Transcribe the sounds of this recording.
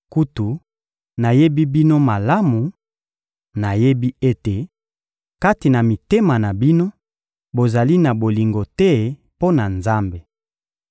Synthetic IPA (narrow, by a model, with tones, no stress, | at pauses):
ku˦tu˨ | na˨je˦bi˦bi˦no˦ma˨la˦mu˨ | na˨je˦bi˦e˦te˨ | ka˦ti˨na˨mi˨te˦ma˨na˨bi˦no˦ | bo˨za˨li˦na˨bo˨li˨ŋɡo˨tɛ˦ | po˦na˨nza˦mbe˨